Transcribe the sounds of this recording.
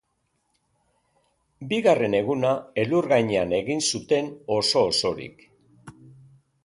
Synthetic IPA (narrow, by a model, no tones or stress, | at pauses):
biɣare̞ne̞ɣunae̞luɾɣajɲeane̞ɣinsut̪e̞no̞so̞ːso̞ɾḭk